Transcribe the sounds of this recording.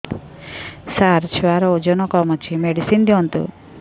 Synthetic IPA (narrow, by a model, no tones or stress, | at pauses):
saɾt͡ʃʰaɾɔod͡ʒɔnɔkɔmɔt͡ʃʰimeɽisind̪iɔnt̪ṵ